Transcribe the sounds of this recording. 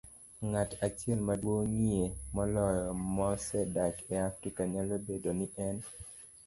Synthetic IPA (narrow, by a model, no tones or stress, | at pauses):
ŋatat͡ʃɛlmadwoŋiemɔlɔjɔmɔsɛdakɛafɾikaɲalobedonɪʔɛn